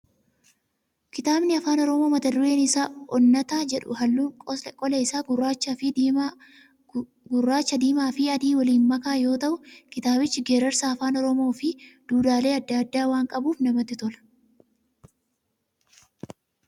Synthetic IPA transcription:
kɪt̪aːbnɪɐfaːnɔɾɔmo̞ːmɐt̪ɐd̪ʊɾe̞ːnɪsaːɔnːɐt̪aːd͡ʒɛᶑʊ̰hɐlːuːŋkʼɔkʼɔlɐɪsaːɡʊrːaːt͡ʃːɐfɪ | ɡʊrːaːt͡ʃːɐd̪iːmaːfɪɐd̪iːwɐliːnmɐkaːjo̞ːt̪ɐʔʊkɪt̪aːbɪt͡ʃːɪɡeːɾɐɾsaːɐfaːnɔɾɔmo̞ːfɪd̪̥uːd̪aːle̞ːɐd̪ːɐɐd̪ːaːwaːŋkʼɐbuːfnɐmɐt̪ːɪt̪ɔlɐ̥

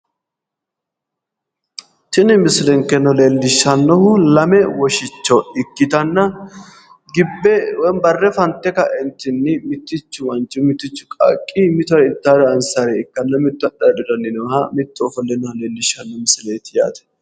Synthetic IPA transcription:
t͡ʃɪnɪmɪslɛŋkːɛnɔleːlːɪʃːɐnːɔhʊlɐmɛwɔʃɪt͡ʃːɔɪkːɪt̪ɐnːɐ | ɡɪbːɛwbɐrːɛfɐnt̪ːɛkɐʔɪnt̪ːɪnːɪmɪt̪ːɪt͡ʃːʊmɐnt͡ʃʼːʊmɪt̪ːɪt͡ʃːʊ̥kʼɐ̰kʼːɪmɪt̪ʊɪt̪ːaːd̪ɐːnsaɾɛɪkːɐnːɐmɪt̪ːʊɐɗɐd̪ʊd̪ɐnːɪnɔhɐmɪt̪ːʊɔfɔlːɛnɐleːlːɪʃːɐnːɔmɪsleːt̪ɪja̰ːt̪ɛ̥

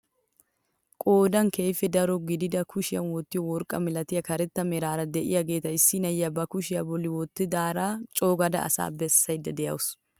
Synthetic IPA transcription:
kʼoːd̪ɐŋke̞ːfɛd̪ɐɾɔɡɪd̪ɪd̪ɐkʰʊʃɪjɐ̰nwɔt̪ːɪjɔwɔɾkʼːɐmɪlɐt̪ɪjɐkɐɾɛt̪ːɐmɛɾaːɾɐd̪ɛʔɪ̰jɐɡe̞ːt̪ɐɪsːɪnɐjːɐbɐkʊʃɪjɐbɔlːɪwɔt̪ːɪd̪aːɾaːt͡ʃʼoːɡɐd̪ɐ̰ɐ̰sa̰ːbɛsːɐjd̪ɐd̪ɛjɐ̰wʊs

